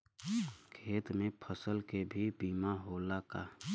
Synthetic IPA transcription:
kʰeːt̪mẽpʰəsəlkebʱibiːmaɦoːlaka

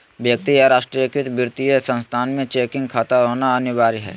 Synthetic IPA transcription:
ʋjək̚t̪iaɾaːʃʈɾijəkɪt̪bɪɾt̪ijəsə̃nst̪ʰaːnmẽt͡ʃeːkɪ̃ŋɡ̚kʰaːt̪aɦoːnaɐnʊʋaːɾiɦɛ̰ː

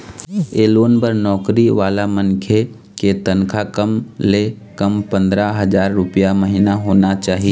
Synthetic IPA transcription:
eːloːnpəɾnɔːkɾiʋaːlamənkʰe | ket̪ənkʰakəmle | kɐmpə̃nd̪ɾaɦəd͡ʒaːɾːʊpijaməɦinaɦoːnat͡ʃaːɦie

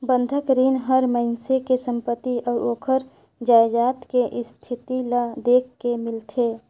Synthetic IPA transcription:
bə̃nd̪ʱəkɾiːnɦəɾməɦɪnsekesə̃mpət̪ːiʔɔːɾoːkʰəɾ | d͡ʒaːed͡ʒaːt̪keʔɪst̪ʰɪt̪ilad̪eːkʰkemɪlt̪ʰeː

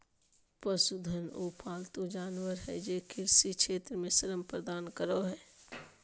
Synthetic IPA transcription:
pəsʊd̪ʱənuːpʰaːlt̪ud͡ʒaːnwəɾɦɛ̰jeːkʰɪɾsikʰʃʰeːt̪ɾəmẽsəɾəmpɾəd̪aːnkəɾoɦɛː

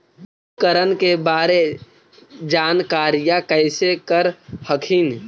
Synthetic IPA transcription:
kəɾənkebaːɾe | d͡ʒaːnkaːɾɪjakəɪsekəɾhəkʰin

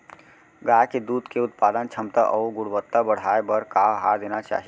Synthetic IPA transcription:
ɡaːked̪uːd̪keʊt̪paːd̪ənt͡ʃʰɐmt̪aʔɔːɡʊɽbət̪ːabɐɽ̤aːebəɾkaːɦaːɾd̪eːnat͡ʃa̰ːɦie

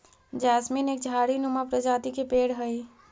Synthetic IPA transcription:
d͡ʒasminek̚d͡ʒʱaɽinumapɾəd͡ʒat̪ikepeɽɦəj

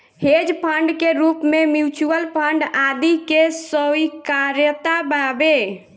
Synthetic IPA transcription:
hed͡ʒpʰəɳɖkeɾupmemjut͡ʃuəlpʰəɳɖad̪ikesəikaɾjət̪ababe

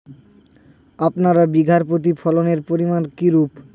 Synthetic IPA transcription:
apnaɾabiɡʱaɾpot̪̬ipʰɔloneɾpoɾimankiɾup

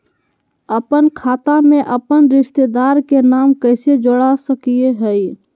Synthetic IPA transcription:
əpənkʰaːt̪amẽʔəpənɾɪʃt̪ed̪aːɾkenaːmkɛːsed͡ʒoɽasəkieɦɛi

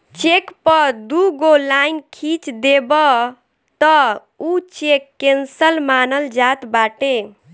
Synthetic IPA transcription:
t͡ʃekpəɾd̪uɡolajnkʰit͡ʃd̪ebə | t̪ɔ | ut͡ʃekːensəlmanəld͡ʒat̪baʈe

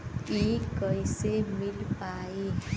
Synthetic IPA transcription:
ikʌjsemilpae

